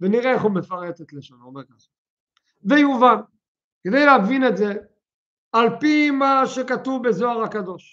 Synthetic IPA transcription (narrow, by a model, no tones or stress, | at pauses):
veniʁeeχumefaʁetet̪leʃanomeʁkaχḁ | vejuvan | ked̪ejleavine̞tze | alpimaʃekat̪uvbezoaʁakad̪o̞ʃ